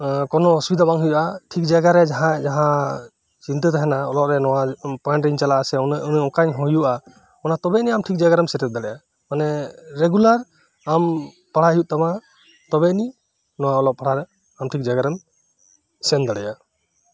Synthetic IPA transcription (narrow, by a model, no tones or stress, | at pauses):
kɔnɔːsubid̪abaŋɦɔjuʔaʈʰik̚d͡ʒaɡaɾɛd͡ʒaɦãd͡ʒaɦã | t͡ʃint̪ɯt̪aɦɛnaɔlɔʔɾɛnɔwapɔjɳʈɾiɲt͡ʃalaːsɛɔnnɔ̃kaɲɦɔjuʔa | ɔnat̪ɔbɛniamʈʰik̚d͡ʒaɡaɾɛmsɛʈɛt̪̚d̪aɽɛja | manɛɾeɡulaɾ | am | paɽ̤aɦijuʔ̚t̪ama | t̪ɔbɛni | nɔwaɔlɔk̚paɽ̤aɾɛ | amʈʰik̚d͡ʒaɡaɾɛm | sɛnd̪aɽɛja